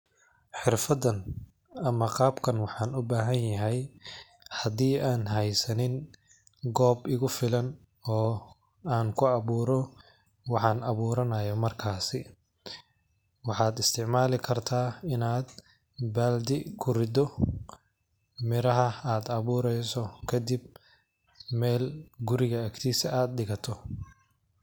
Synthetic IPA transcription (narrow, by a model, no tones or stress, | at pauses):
ħɪrfɐdɐn | ɐmɐqɑːbkʰɐnwɑħɑːnʊbaːɦɐnjɐɦɛj | hɐd̪iːaːnɦɛjsɐnɪn | ɡɔːbɪɣʊfɪlɐn | ɔː | aːŋkʰʊɐβuːɾɔ | wɑħɑːnɐβuːɾɐnɐjɔmɐrkʰaːsɪ | wɑħɑːd̪ɪst̪ʰɪʕmaːlɪkʰɐrt̪ʰaːɪnaːd̪ | baːld̪ɪkʰʊɾɪd̪ɔ | mɪɾɐɦɐaːd̪ɐβuːɾɛjsɔkʰɐd̪ɪb̚ | mɛːlɡʊɾɪɣɐːkt̪ʰiːsɐaːd̪̚ɗɪɣɐt̪ʰɔ